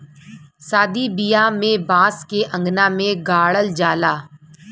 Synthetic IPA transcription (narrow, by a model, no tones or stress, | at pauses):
saːd̪ibijamẽbãːskeʔɐ̃ŋɡnamẽɡaːɭəld͡ʒaːlaː